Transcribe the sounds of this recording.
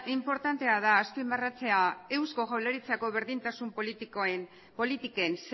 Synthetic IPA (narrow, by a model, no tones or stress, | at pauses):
impo̞ɾt̪ant̪e̞að̞aːspimarat͡se̞ae̞wsko̞ɣawleɾit͡sako̞βe̞ɾðint̪asumpolit̪ke | po̞lit̪ike̞ns